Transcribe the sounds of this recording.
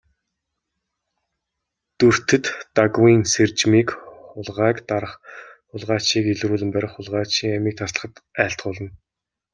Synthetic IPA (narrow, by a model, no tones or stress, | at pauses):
t̪ɵr̥t̪ɘ̆t̪ːaɣwiːnsert͡ɕmiːkχʊɮʁaːkt̪aɾə̆χχʊɮʁaːt͡ɕiːkeɮɾuːɮɘ̆mpæɾʲɪ̆χʊɮʁaːt͡ɕiːŋæmiːk̚t̪ʰasɮə̥̆χə̆t̪æːɬt̪̚ɢʊːɮə̆n